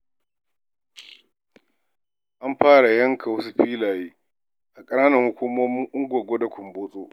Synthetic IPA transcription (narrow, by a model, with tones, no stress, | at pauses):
ʔa˦mɸaː˦ɽa˨jɐ˦ŋkʰa˨wɐ˦su˦ɸiː˦laː˨jiː˦ | ʔa˨kʼɐ˦naː˦nɐ˨ŋhʊ˦kʷʊ˦moː˦mɪ˦ŋʔʊ˦ŋɡʷɐ˨ɡʷo˦da˨kʷʊ˨mboː˦sʼoː˦